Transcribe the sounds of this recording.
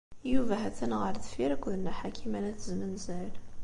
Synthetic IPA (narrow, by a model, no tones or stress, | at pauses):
juvæɦæθənʁəɾðfiɾækʷːʊðnæħakʰimænæθəzmənzæl